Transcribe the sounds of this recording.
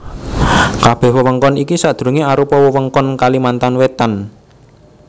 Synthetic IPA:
kab̥ɛ̤hwəwəŋkɔnikisaʔd̪̥ɾuŋeaɾupɔwəwəŋkɔnkalimant̪anwet̪an

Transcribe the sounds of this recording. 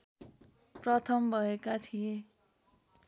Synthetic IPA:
prʌt̪ʰʌmbʱʌekat̪ʰije

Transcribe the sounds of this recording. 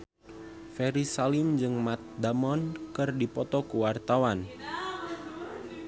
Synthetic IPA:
fɛɾisalimd͡ʒɨŋmat̪̚d̪amɔnkɨrdipɔt̪ɔkuwart̪awan

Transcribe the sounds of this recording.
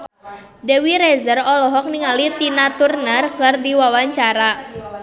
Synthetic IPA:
dewiɾɛzərɔlɔɦɔk̚niŋalit̪inat̪urnərkɨrdiwawaɲt͡ʃaɾa

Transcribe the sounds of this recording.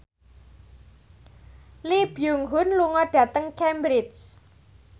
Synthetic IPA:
lib̥juŋɦʊnluŋɔɖ̥ä̤t̪əŋkɛmbɾɪt͡ʃ

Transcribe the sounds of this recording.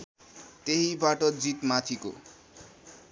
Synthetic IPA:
t̪eɦibaʈʌd͡zit̪mat̪ʰiko̰

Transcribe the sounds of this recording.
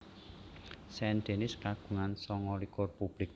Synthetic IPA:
sɛnd̪enɪskaɡ̥ṳŋansɔŋɔlikʊrpub̥lɪk̚

